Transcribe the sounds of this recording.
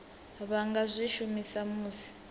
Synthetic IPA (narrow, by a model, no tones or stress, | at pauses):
βaŋɡazʷiʃumisamuːsi̥